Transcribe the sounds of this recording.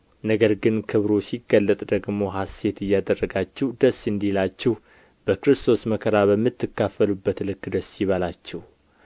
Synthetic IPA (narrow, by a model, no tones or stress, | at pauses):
nəɡəɾɡɨnkʰɨβɾosiɡːəlːət̪ʼd̪əɡmo̞ɦase̞t̪ɨjːad̪ərːəɡat͡ʃːɛhd̪əsːɨnd̪ilat͡ʃːɛh | b̥əkɾɨst̪ʰo̞sməkʰəɾaβəmːɨt̪ːɨkːafːəlubːət̪lɨkːd̪əsːjiβalat͡ʃːɛh